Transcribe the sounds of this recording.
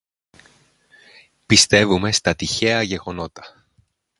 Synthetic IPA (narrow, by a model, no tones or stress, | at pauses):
pist̪e̞vume̞st̪ɐt̪içe̞ɐʝe̞ɣo̞no̞t̪ɐ̥